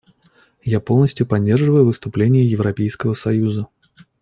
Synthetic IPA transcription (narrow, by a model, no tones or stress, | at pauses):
japo̞lˠnəsʲtʲjʊpɐdʲːe̞rʐɨvəjʊvɨst̪ʊplʲenʲɪjəjɪvɾɐpʲejskəvəsɐjuzə